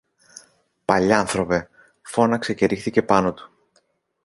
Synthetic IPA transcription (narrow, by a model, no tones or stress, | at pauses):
pɐʎɐɐnθɾo̞ve̞ | fo̞nɐkse̞ce̞ɾixθice̞pɐno̞t̪u̥